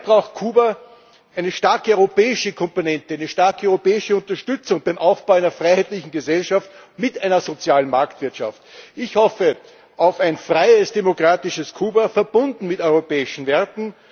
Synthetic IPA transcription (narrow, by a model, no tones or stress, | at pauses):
b̥ʁaʊxtkʰuːbɐ | ʔæɪnəʃtaɐkəɔʏʁopɛːɪʃəkʰɔmponɛntəæɪnəʃtaɐkəʔɔœʏʁopɛːɪʃəʊntɐʃtʏt͡sʊŋb̥æɪmʔaʊfb̥aʊæɪnɐfʁ̥aɪhæɪtlɪçn̩ɡəzɛlʃaft | mɪtʔæɪnɐzot͡sjaːlənmaɐktv̥ɪɐtʃa̰ftʔɪçhɔfə | ʔaʊfæɪnfʁaɪəsd̥emokʁaːtɪʃəskʰuːbɐfɛɐb̥ʊndn̩mɪtɔʏʁopɛːɪʃn̩vɛɐtn̩